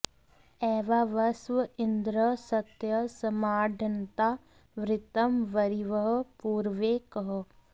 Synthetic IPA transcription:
ɛːʋaʋɐsʋɐɪnd̪ɾəsɐt̪jɐsɐmaːɖʱɐnt̪aː | ʋɾɪt̪əmʋɐɾiʋəɦpuːɾʋeːkəɦ

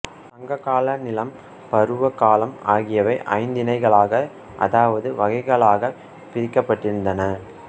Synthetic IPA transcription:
sɐŋɡɐkːaːlɐnɪlɐm | pɐɾɯʋɐkaːlɐmaːɣɪjɐʋɐɪʔɐ̰ɪnd̪ɪnɐɪɣɐɭaːɣɐ | ʔɐ̰ðaːʋɐðɯʋɐɣɐɪɣɐɭaːɣɐ | pɪɾɪkːɐpːɐʈːɪɾɯnd̪ɐnɐ

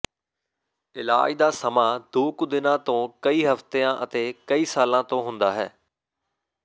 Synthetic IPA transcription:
ɪla̰ːid̪aːsɐmaːd̪oːkʊd̪ɪnãːt̪õːkɐiːɦɐft̪eãʔɐt̪ekɐiːsaːlãːt̪õɦʊ̃ːnd̪aːɦɛː

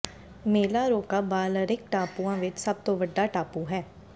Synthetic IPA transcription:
meːlaːɾoːkaːbaːləɾɪk̚ʈaːpuːãːʋɪt͡ʃsəb̚t̪õːʋəɖaːʈaːpuːɦɛː

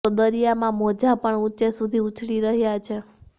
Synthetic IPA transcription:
od̪əɾijamãmɔd͡ʒapəɳut͡ʃesud̪ʱiut͡ʃʰɽiɾəɦjat͡ʃʰe

